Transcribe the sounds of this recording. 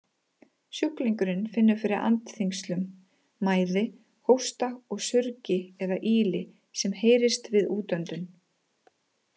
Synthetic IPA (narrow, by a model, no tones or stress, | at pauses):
sjʏhkliŋkʏɾɪnfɪnːʏɾfɪɾɪɾʔa̰nt̪θiŋkst̪lʏmː | aːjðɪ | howst̪aɔɣsʏɾcɪɛðaʔiːlɪ | sɛmheːjɾɪst̪vɪðuːt̪œnt̪ʏn